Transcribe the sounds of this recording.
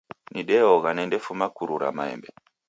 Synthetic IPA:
niɗɛɔɣanɛndefumakuɾuɾa̰maḛmbe

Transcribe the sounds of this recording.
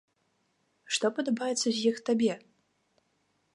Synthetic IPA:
ʂt̪ɔpɐd̪ɐbajɛt̪sɐzʲjixt̪abʲɛ

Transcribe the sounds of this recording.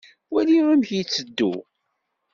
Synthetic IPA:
wæliʁamçit͡sːəd̪ːṵ

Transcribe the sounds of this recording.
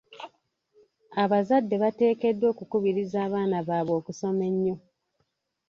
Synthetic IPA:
aβazadːe̞βate̞ːke̞dːwo̞ːkukuβiɾizaːβaːnaβaːβo̞ːkuso̞me̞ɲːo̞

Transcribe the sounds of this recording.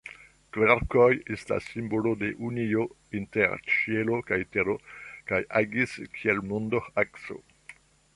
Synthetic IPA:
kveɾkojesta̰sːimbolode̞ʔunio | inteɾt͡ʃielo̞kajteɾokajʔaɡiskʰielmondoxakso̰

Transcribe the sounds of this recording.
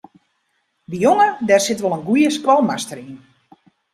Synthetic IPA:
dəjoŋədɛrsɪtʋɔlˠənɡujəskʋɔlˠmastəɾin

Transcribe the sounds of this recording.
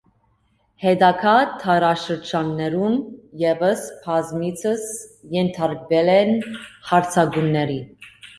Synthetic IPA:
hɛd̪ɑkʰɑt̪ʰɑɾɑʃəɾd͡ʒɑnːɛɾumjɛvəspʰɑzmit͡sʰəsjɛnt̪ʰɑɾkvɛlɛnhɑɾt͡sʰɑɡunːɛɾi

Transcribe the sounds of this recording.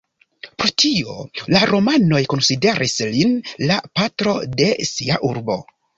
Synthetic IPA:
pɾotʰio̞̰laɾo̞mano̞jko̞nside̞ɾʔislinlapatɾo̞de̞siaʔuɾbo̞

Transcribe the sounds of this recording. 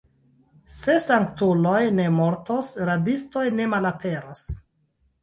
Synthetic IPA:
se̞saŋktulo̞jne̞moɾtosɾabisto̞jne̞malapʰe̞ɾos

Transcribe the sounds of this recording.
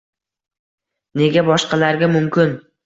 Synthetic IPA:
ne̞ɡʲabɒʃqɑlaɾɡʲamʊmkʲɪn

